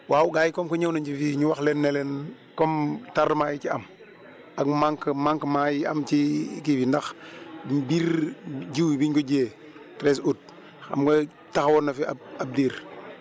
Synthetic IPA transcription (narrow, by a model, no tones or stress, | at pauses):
wauɡajikɔmkoɲawnaɲt͡ʃifiɲuwaxlenːelen | komtaɾmajit͡ʃiam | aɡmaŋkmaŋkmajia̰mt͡ʃikifindax | biɾd͡ʒiwbiɲkod͡ʒe | tɾesut̚ | xa̰mko | taxwonːafia̰ab̚diːɾ